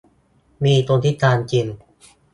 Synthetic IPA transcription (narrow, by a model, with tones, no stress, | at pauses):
miː˧t̪u˧t̪ʰi˦˥˩t̪ʰːaː˧nt͡ɕi˧n